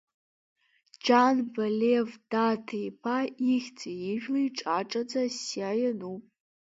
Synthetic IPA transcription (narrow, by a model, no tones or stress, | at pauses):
d͡ʒanbalevd̥atʰejpʰaixʲt͡sʰʼijɪʒᶣlijʈ͡ʂʼaʈ͡ʂʼɐd͡zasiaːjɐnupʼ